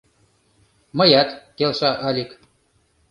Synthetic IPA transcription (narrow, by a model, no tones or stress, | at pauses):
mɤjæt̪kelʃɑʔɑlʲik